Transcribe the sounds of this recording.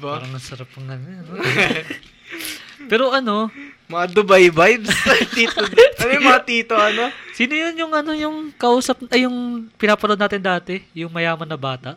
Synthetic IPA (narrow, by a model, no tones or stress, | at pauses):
aɾɐŋnɐsɐɾap̚ːɐŋɡɐnɛɐno | pɛːɾo̞ʔɐno̞mɐɐd̪ʊbajbajbst̪iːt̪od̪kɐlɐjmɐŋɐt̪iːt̪oɐnosiːnojonjʊŋɐno̞jʊŋkɐʔuːsɐp̚nɐjʊŋpɪnaːpɐnod̪aːt̪ɪnd̪aːt̪ɛjʊŋmɐjaːmɐnːɐbaːt̪ɐʔ